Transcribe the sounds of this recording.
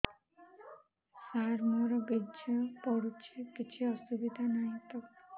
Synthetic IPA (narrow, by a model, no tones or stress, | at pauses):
saɾmɔɾɔbidd͡ʒɔpɔɽut͡ʃʰekit͡ʃʰiɔsubid̪ʱanaj̃t̪ɔ